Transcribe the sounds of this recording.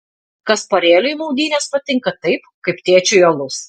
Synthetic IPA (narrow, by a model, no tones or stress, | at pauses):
kɐspoːɾʲeːlʲʊjmɔʊd̪ʲiːnʲɛːspɐt̪ʲɪŋkɐt̪ɐɪpkɐɪpt̪ʲeɛt͡ʃʲʊjolˠʊs